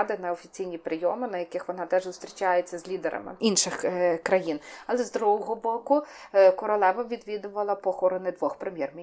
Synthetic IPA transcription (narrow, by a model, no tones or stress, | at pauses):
d̪ɪnɐɔfʲit͡sʲijnʲipɾɪjɔmɪnɐjɐkɪxʋɔnɑt̪ɛʒzʊst̪ɾʲit͡ʃɑjet͡sʲːɐzʲlʲid̪eɾɐ̰mɪ̰inʃɪxkɾɐjinɐlˠɛzd̪ɾuɦɔɦɔbɔkʊkɔɾɔlˠɛʋɐʋʲid̪ʋʲid̪ʊʋɐlˠɐpɔxɔɾɔnɪd̪ʋɔxpɾemʲjɛrmʲi